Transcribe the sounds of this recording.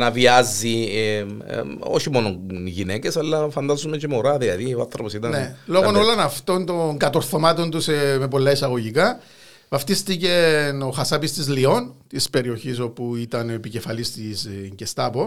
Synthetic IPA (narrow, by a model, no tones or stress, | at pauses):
nɐviɐzːḭ | oçimo̞noʝinecesɐlːɐfɐnd̪azumecemoɾɐðilɐðioɐnθɾoposit̪ɐnelo̞ɣono̞lo̞nɐft̪o̞nt̪o̞ŋɡɐt̪o̞ɾθo̞mɐt̪o̞nt̪useme̞po̞lːɐisɐɣo̞ʝikɐ | vɐft̪ist̪iceno̞xɐsɐpist̪izlio̞nt̪ispe̞ɾio̞çiso̞puit̪ɐnepice̞fɐlist̪isɲcest̪ɐpo̞